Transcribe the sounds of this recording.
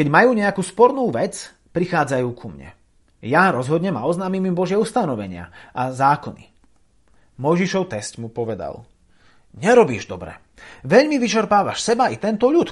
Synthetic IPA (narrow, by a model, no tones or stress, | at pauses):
kɛɟmajuːɲɛakuːspɔɾnuːʋɛt͡s | pɾixaːd͡zajuːkʰumɲɛ̰ | jaɾɔzɦɔd̪ɲɛma̰ɔznaːmimimbɔʒɪɛust̪anɔʋɛɲɪa̰ʔazaːkɔnḭ | mɔjʒiʃɔʊt̪ɛscmupɔʋɛd̪a̰l | ɲɛɾɔbiːʒd̪ɔbɾɛ̰ | ʋɛʎmiʋit͡ʃɛɾpaːʋaʃsɛbait̪ɛnt̪ɔʎut̪